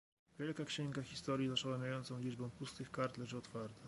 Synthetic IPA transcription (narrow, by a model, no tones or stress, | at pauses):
vʲjɛlkakɕɛŋɡaxʲist̪ɔɾjizaʂɔwamʲjajɔnt̪sɔ̃w̃lʲid͡ʐbɔ̃w̃pust̪ɘxkaɾt̪lɛʐɘɔt̪faɾt̪a